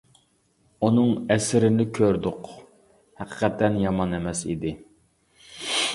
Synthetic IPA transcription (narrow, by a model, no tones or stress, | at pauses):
unɨŋɛsɪɾɪnɪkʲʰøɾd̪ʊq | hæqʰə̥qʰɛt̪ʰːɛnjɑmɑnɛmɛsḭd̪ɪ